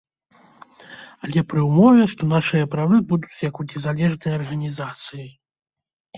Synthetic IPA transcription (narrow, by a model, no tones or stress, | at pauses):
ɐlʲɛpɾɨwmɔvʲɛʂt̪ɔn̪aʂɨjɐpɾavɨbud̪ut͡sʲjɐkunʲɛzalʲɛʐnɐjɐɐrɣɐnʲizat̪sɨji